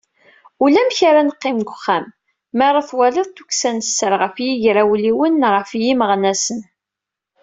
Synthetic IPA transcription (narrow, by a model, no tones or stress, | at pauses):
ulæmçaɾanəqːɪmɡʷʊχːæmː | æɾˤɑθwælɪðˤt̪ːuksænəsːəɾʁəfjiʝɾawliwənʁəfjiməʁnæsən